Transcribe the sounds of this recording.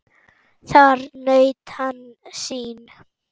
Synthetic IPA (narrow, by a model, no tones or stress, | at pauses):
θaɾnœɥt̪han | siːn